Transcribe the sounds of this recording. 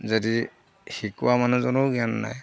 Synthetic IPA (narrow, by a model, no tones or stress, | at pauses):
zadi | hikuwamanuzɔnoɡianːa̰j